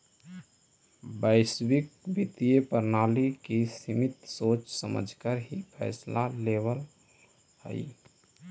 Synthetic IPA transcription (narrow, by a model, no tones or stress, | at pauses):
bəɪsbik̚bit̪ijepəɾnalikisimit̪sot͡ʃsəmə̰d͡ʒʱkəɾɦipʰɛ̰jslaleβəl | hə̰ɪ